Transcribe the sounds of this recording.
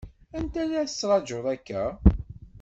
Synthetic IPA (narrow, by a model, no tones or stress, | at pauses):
ænt̪æðæθə̥sːɾˤɑd͡ʒoðˤækːæ